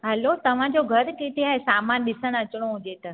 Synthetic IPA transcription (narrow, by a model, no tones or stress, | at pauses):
ɦəlot̪ɐʋ̤ãd͡ʑoɡʱɐɾkeʈ̪ʰiɦaːɦesaːmaːnɗɪsəɽ̃ɐt͡ɕɪɽ̃oɦʊ̃d͡ʑet̪ɐ